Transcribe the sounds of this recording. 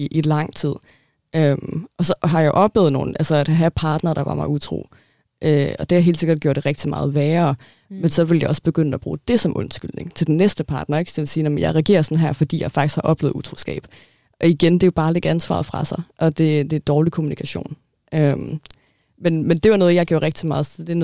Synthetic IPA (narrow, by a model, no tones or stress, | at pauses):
iʔilɑ̈ŋ̰t͡sʰið̞̰ˠ | ʔømɒ̽sɒ̽ɦɑ̈jɑ̈ɪʔɒ̽b̥lḛːð̩ˠno̝̰ːn̩ʔælsɐæd̥ɦæpʰɑ̈ːd̥nɐːɾ̥ɑ̈ʋɑ̈mɑ̈ɪut͡sʰʁo̝̰ː | ʔøɒ̽d̥e̝hɑ̈ɦe̝̰l̥se̝ɡ̥ɐd̥ɡ̥jo̰ɐd̥e̝ʁɛɡ̥̚d̥imɑ̈ːð̞̩ˠʋɛːɐː | mensɒ̽ʋe̝ljɑ̈ɪɒ̽sb̥e̝ɡ̥øn̰əæb̥ʁṵːd̥e̝sɒ̽mʔɔ̽nsɡ̥yl̰ne̝ŋt͡sʰe̝d̥enːesd̥əpʰɑ̈ːd̥nɐeɡ̥sʰe̝læsiːnɒmənjɑ̈ɪʁɛɡ̥e̝̰ːɐsɒ̽nɦæɐ̰fɒ̽d̥ḭːjɑɪfɑ̈ɡ̥isɡ̥hɑ̈ʔɒ̽b̥lḛːð̩ˠut͡sʰʁo̝ːsɡ̥ɛ̰ːb̥ | ʔɒ̽iɡ̥end̥e̝jo̝b̥ɑ̈ːle̝ɡ̥ænsʋɑ̰̈ðˠfʁɑ̈sɑ̈ɪʔɒ̽d̥e̝d̥e̝æd̥ɒːlikʰo̝munikʰæɕo̰ːn | ʔøm | menmend̥e̝ʋɑ̈nɔːð̞̩ˠjɑ̈ɪ̥jo̰ɐʁɛɡ̥̚d̥imɑ̈ːð̞̩ˠsɒ̥d̥en